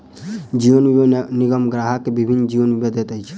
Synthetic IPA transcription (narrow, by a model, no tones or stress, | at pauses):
d͡ʒiʋənniɡəmɡɾaɦakebibʱinːd͡ʒiʋənʋibed̪et̪əjt͡ʃʰe̥